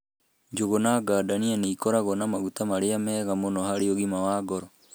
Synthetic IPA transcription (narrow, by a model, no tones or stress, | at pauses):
ɲd͡ʒoɣonaɡaːdanianiːkɔɾaɣɔnamaɣut̪amaɾeamɛːɣamonɔhaɾeoɣimawaːɡɔɾɔ